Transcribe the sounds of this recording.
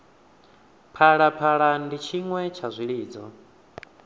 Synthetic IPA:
pʰaɺapʰaɺandit͡ʃʰiŋwɛt͡ʃʰazʷiɺiːd͡zɔ̰

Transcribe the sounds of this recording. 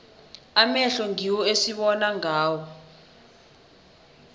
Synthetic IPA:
amɛɬɔŋiwɔesiɓɔnaŋaːwɔ

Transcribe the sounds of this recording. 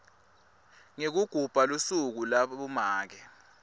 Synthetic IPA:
ŋek̬uɡ̥ʱub̥ʱalusuk̬ulaɓumaːk̬ɛ

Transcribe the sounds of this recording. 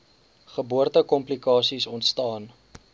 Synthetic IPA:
χəbuərtəkɔmplikɑːsisɔntstɑːn

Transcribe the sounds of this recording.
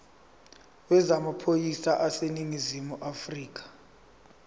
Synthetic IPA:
wɛzamapʰojisaʔaseniŋizimuʔafriːk̬ʼḁ

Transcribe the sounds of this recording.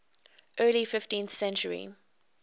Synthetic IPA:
ʔɜːlifɪftĩnθsɛ̃nt͡ʃəɹḭ

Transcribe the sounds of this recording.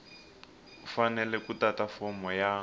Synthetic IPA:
fanɛlɛkutatafɔmɔja

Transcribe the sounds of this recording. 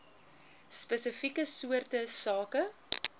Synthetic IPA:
spəsəfikəsuərtəsɑːkə

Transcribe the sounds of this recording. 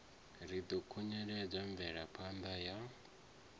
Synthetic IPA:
ɾid̪ɔkʰuɲɛɺɛb͡ʐʷaɱvɛɺapʰand̪aja

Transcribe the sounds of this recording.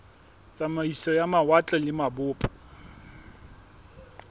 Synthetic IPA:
t͡sʼamaisɔjamawat͡ɬʼɔlɪmabʊːpʼɔ̥

